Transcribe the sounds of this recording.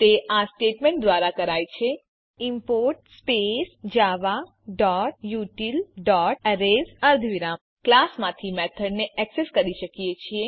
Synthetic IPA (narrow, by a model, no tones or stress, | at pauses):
t̪eʔasʈeʈmẽɳʈ̚d̪ʋaɾakəɾajt͡ʃʰe | ɪmpoɾʈspesd͡ʒaʋa | ɖɔʈ̚juʈilɖɔʈɾezəɾd̪ʱʋiɾam | klasmãt̪ʰimɛt̪ʰəɽneɛkseskəɾiʃəkijet͡ʃʰie